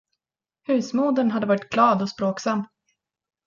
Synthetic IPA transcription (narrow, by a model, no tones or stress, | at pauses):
hʉ̟ːsmuːd̪ənɦad̪ːəvɑːɾɪt̪̚ɡlɑːd̪ɔspɾoːksamː